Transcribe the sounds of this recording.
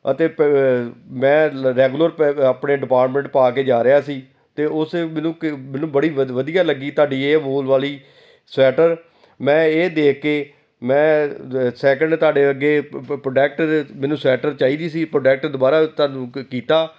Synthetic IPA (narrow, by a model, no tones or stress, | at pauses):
ət̪eːp | mɛ̃ːɾɛːɡuːləɾpaːpneːɖɪpaːɾʈmə̃ɳʈ̚paːk̬eːd͡ʒaːɾɪaːsiː | t̪eːʊsmɛ̃ːnũːmɛːnũːbəɽiːʋəd̪ijaːləɡːiːt̪aːɖiːeːboːlʋaːliː | sɛːʈəɾ | mɛ̃ːeːd̪eːkːeː | mɛ̃ːsɛːk̬əɳɖt̪aːɖeːəɡeːpɾoːɖɛːk̚ʈmɛ̃ːnũːsɛːʈəɾt͡ʃaːiːd̪iːsiːpɾoːɖɛːk̚ʈd̪obaːɾaːt̪aːnũːkiːt̪aː